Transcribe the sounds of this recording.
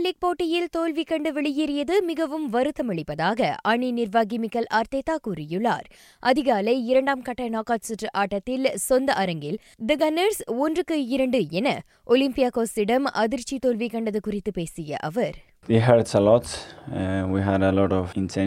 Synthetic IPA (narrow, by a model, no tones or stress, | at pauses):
lɪk̚poːʈːɪjɪlt̪oːlʋikːɐɳɖɯʋɛɭɪjɪɾɪjɐðɯmɪɣɐʋɯmʋɐɾɯt̪ːɐmɐɭɪpːɐðaːɣɐɐɳinɪɾʋaːɡɪmɪkːɐlʔaːɾt̪eːt̪ːaːkuɾɪjɯɭːa̰ːɾ | ʔɐðɪɣaːlɐɪɪɾɐɳɖaːmkɐʈːɐnaːkaːtsɯʈrʔaːʈːɐt̪ːɪlsɔnd̪ɐʔɐɾɐŋɡɪl | d̪ɐɡɐnɐɾsɔndrɯkːɯɪɾɐɳɖɯɛnɐ | ʔɔlɪmpɪjaːkoːsɪɽɐmʔɐ̰ðɪɾt͡ʃːit̪oːlʋikɐɳɖɐðɯkʊrɪt̪ːɯpeːsɪjɐ̰ʔɐʋɐɾ | ʋiɦɛɖsɐlɔʈs | ʋiɦæɖəlɔːʈɔʋɪ̃nsɛ̃